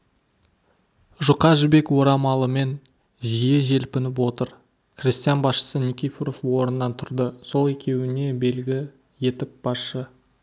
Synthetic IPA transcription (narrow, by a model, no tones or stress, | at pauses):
ʒʊqɑʒbe̞kwo̞ɾɑmɑlˠəme̞n | ʒijeʒe̞lpɪnɪp̬wo̞t̪əɾ | krʲist̪ijanbɑsʃə̥sənʲikʲifʲɾo̞fwo̞ɾənːɑnt̪ʰʊɾd̪əso̞lˠe̞kʲʰe̞wɪne̞be̞lɡʲɪ | je̞t̪ɪp̚b̥ɑsʃə